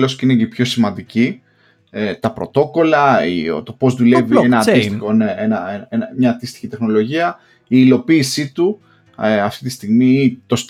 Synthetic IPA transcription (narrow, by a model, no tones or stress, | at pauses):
loscinepço̞simɐ̃nd̪ici | et̪ɐpɾo̞̰t̪o̞ko̞lɐio̰t̪o̞po̞zðule̞vienɐɐt̪isoneenɐenenɐmɲɐːt̪ist̪i̥çit̪e̞xno̞lo̞ʝiɐ | iːlo̞piːsit̪u | eɐft̪it̪ist̪iɣmit̪o̞st̪